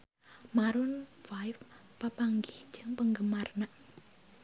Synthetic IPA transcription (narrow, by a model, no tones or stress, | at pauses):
maɾʊnfajf | pːapaŋɡɪhd͡ʒəŋpəŋɡəmarnaʔ